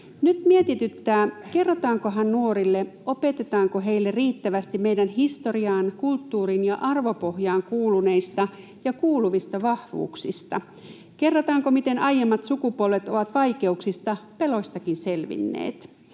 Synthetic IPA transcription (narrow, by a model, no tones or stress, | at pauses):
nyt̪miet̪it̪yt̪ːæːke̞rːot̪ɑːŋko̞ɦɑnnuoɾilːeʔo̞pe̞t̪et̪ɑːŋkoɦe̞jlːeriːt̪ːæʋæst̪immejdænɦist̪oriɑːnkult̪ːuːɾinjɑʔɑrʋo̞po̞hjɑːŋkuːlune̞ist̪ɑ | jɑkuːluʋist̪ɑʋɑhʋṵːksist̪ɑ̰ | ke̞rːot̪ɑːŋkomit̪e̞nʔɑjemːɑt̪sukupuolʋet̪o̞ʋɑt̪ʋɑjke̞uksist̪ɑpelo̞st̪ɑkinse̞lʋḭnːḛːt̪